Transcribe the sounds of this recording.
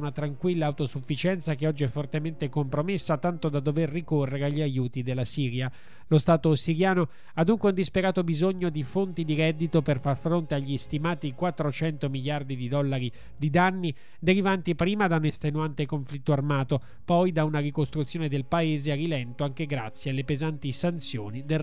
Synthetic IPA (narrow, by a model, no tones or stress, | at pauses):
nat̪ɾaŋkwilːaːwt̪osufːit͡ʃɛnt̪sakeɔd͡ʒːiɛfːort̪ement̪ekompɾomesːat̪ant̪od̪ad̪ːoverːikorːeɾeaʎːiajuːt̪id̪elːasiːɾja | lost̪aːt̪osiɾjaːno | ad̪ːuŋkweund̪ispeɾaːt̪obizoɲːod̪ifont̪id̪iɾɛd̪ːit̪operfarfɾont̪eaʎːiist̪imaːt̪ikwat̪ːɾot͡ʃɛnt̪omiʎjard̪id̪id̪ɔlːaɾi | d̪id̪anːi | d̪eɾivant̪ipɾiːmad̪aunest̪enuant̪ekoɱflit̪ːoarmaːt̪o | pɔjd̪aunarikost̪ɾut̪sjoːned̪elpaeːzeailɛnt̪oaŋk̟eɡɾat̪sːjealːepezant̪isant̪sjoːnid̪e